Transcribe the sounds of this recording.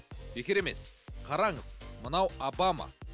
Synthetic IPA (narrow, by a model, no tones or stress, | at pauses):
b̥e̞kʲeɾe̞me̞sqʰɑɾɑɴəzmənɑwabamɑ̰